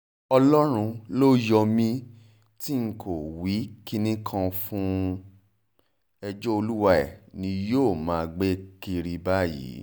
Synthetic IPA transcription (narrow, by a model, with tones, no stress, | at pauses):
ɔ˧lɔ˦ɾ̃ũ˧lo˦jɔ˧mĩ˧ | ti˦ŋ̩˦kʰo˨wi˨˦ki˦nĩ˦kʰã˧fũ˦ | ɛ˧d͡ʒɔ˦o˧lu˦wa˦ɛ̰˨nĩ˧joː˦˨mãː˨˦˧ɡ͡be˦ki˧ɾi˧ba˦jḭ˨˦